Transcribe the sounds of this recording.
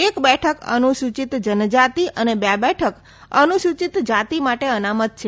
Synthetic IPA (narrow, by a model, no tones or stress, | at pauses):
ekbɛʈʰəkə̰nuʃut͡ʃit̪d͡ʒənd͡ʒat̪iʔənebabɛʈʰək | ə̰nuʃut͡ʃit̪d͡ʒat̪imaʈeənamət̪̚t͡ʃʰe